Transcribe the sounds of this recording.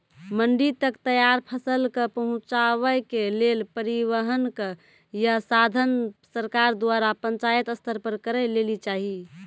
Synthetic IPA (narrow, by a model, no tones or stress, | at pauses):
məɳɖit̪əkt̪əjaɾpʰəsəlkəpəɦũt͡ʃaβəjkelelpəɾiʋəɦənkə | jasad̪ʱənsəɾkaɾd̪waɾapə̃nt͡ʃajət̪əst̪ʰəɾpəɾkəɾɛlelit͡ʃaɦi